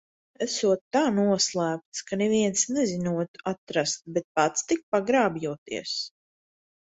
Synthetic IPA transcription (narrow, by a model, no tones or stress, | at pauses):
æsuɔt̪ːaːnuɔslˠæːp̚t̪skaneviɛnsnɛzinuɔt̪at̪ɾast̪̚bet̪̚pat̪st̪ik̚paɡɾaːbjuɔt̪ḭɛəs